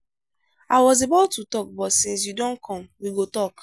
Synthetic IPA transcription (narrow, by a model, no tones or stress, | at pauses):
aɪwɔzebaʊtutɔk̚bɔtsĩns̬judɔ̃nkʰɔ̃mwiɡotɔk